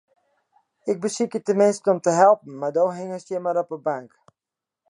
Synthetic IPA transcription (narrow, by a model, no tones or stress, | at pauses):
ɪɡ̚bəsikətəmɪnskəɔmtəɦɛlˠpn̩mardoːɦɪŋəsjəmaɾɔpəbaŋk